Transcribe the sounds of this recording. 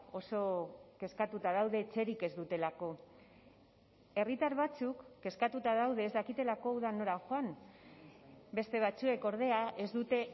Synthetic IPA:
o̞so̞ke̞skat̪ut̪aðawð̞e̞ːt͡se̞ɾike̞zd̪ut̪e̞lako̞ | e̞rit̪aɾβat͡sukːe̞skat̪ut̪aðawð̞e̞ːzd̪akit̪e̞lako̞uðano̞ɾaxoan | be̞st̪e̞β̞at͡sue̞ko̞ɾð̞e̞aʔe̞zd̪ut̪e̞

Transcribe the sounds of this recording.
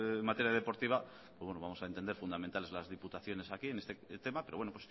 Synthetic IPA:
mat̪eɾjaðe̞po̞ɾt̪iβa | pwozwenoamo̞saent̪end̪eɾfund̪amẽnt̪ale̞zlazðiput̪aθjo̞ne̞sakie̞ne̞st̪et̪e̞mape̞ɾo̞we̞nopwe̞s

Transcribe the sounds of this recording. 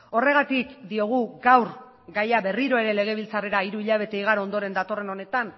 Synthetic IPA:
o̞re̞ɣ̞at̪ikd̪io̞ɣ̞uɡawr | ɡajaβe̞riɾo̞e̞ɾe̞le̞ɣ̞e̞β̞ilt͡sare̞ɾaiɾuiʎaβ̞e̞t̪eiɣ̞aɾoo̞nd̪o̞ɾe̞nd̪at̪o̞re̞no̞ne̞t̪an

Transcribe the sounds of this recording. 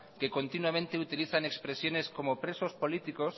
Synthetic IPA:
kekont̪inwamẽnt̪eut̪iliθanekspɾesjoneskomopɾesospolit̪ikos

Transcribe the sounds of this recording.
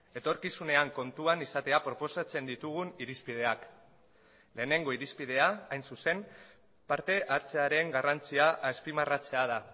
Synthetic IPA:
e̞t̪o̞ɾkisune̞aŋko̞nt̪uanisat̪e̞apɾo̞po̞sat͡se̞nd̪it̪uɣ̞uniɾispið̞e̞ak | le̞ːne̞ŋɡo̞iɾispið̞e̞aajnsuse̞m | paɾt̪e̞ʔaɾt͡se̞aɾe̞ŋɡarant͡siaʔaspimarat͡se̞að̞a

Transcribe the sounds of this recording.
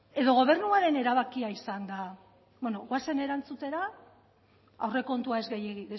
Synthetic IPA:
e̞ðo̞ɣo̞β̞e̞rnuaɾe̞ne̞ɾaβ̞akiaisand̪a | bweno̞ɣwase̞ne̞ɾant͡sut̪e̞ɾa | a̰wre̞ko̞nt̪uae̞zɣejɣi

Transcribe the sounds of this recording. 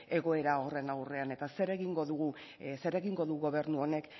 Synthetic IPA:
e̞ɣ̞o̞e̞ɾao̞re̞nawre̞ane̞t̪ase̞ɾe̞ɣiŋɡo̞ðuɣu | se̞ɾe̞ɣiŋɡo̞ðuɣuɣo̞βe̞ɾnuo̞ne̞k

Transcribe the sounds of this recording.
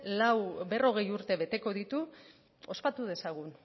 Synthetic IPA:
lawbe̞ro̞ɣe̞juɾt̪e̞βe̞t̪e̞ko̞ðit̪u | o̞spat̪uð̞e̞saɣ̞un

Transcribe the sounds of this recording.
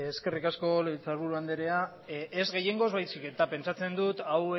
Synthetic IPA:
eske̞rikasko̞let͡saɾβuɾuand̪eɾe̞a | ezɣe̞je̞ŋɡo̞zβajsike̞t̪ape̞nt͡ʃat͡se̞nd̪ut̪awe

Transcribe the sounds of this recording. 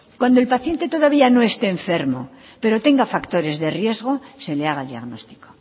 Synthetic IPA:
kwand̪oe̞lpaθjent̪e̞t̪o̞ðaβ̞iano̞e̞st̪e̞ːɱfe̞ɾmo | pe̞ɾo̞t̪e̞ŋɡafakt̪o̞ɾe̞zðe̞rje̞zɣo̞se̞leaɣ̞aeld̪ia̰ɣno̞st̪i̥ko

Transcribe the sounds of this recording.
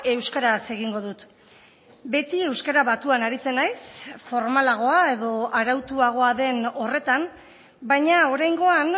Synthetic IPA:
e̞wskaɾase̞ɣ̞iŋɡo̞ðut̪ | be̞t̪ie̞wskaɾaβat̪uanaɾit͡se̞najsfo̞ɾmalaɣ̞o̞ae̞ðo̞aɾawt̪uaɣ̞o̞aðe̞no̞re̞t̪am | bajɲao̞ɾajŋɡo̞an

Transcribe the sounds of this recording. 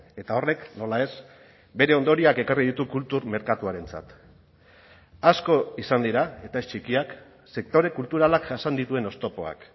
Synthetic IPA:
e̞t̪ao̞re̞kno̞lae̞s | be̞ɾe̞o̞nd̪o̞ɾiake̞kariðit̪ukult̪uɾme̞ɾkat̪uaɾe̞nt͡sa̰t̪ | asko̞isand̪iɾae̞t̪aest͡ʃikiak | se̞k̚t̪o̞ɾe̞kult̪uɾalakasand̪it̪ue̞no̞st̪o̞po̞a̰k

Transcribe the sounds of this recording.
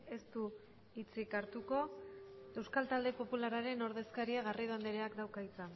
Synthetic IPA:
e̞st̪u | it͡sikaɾt̪uko̞ | e̞wskalt̪ald̪e̞po̞pulaɾaɾe̞no̞ɾðe̞skaɾiaɣariðoand̪eɾeakd̪awkait͡san

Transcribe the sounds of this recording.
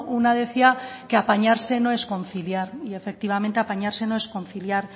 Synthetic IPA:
unað̞e̞θiake̞apaɲaɾse̞no̞e̞sko̞nθiljaɾie̞fe̞k̚t̪iβ̞ament̪eapaɲaɾse̞no̞e̞sko̞nθiljaɾ

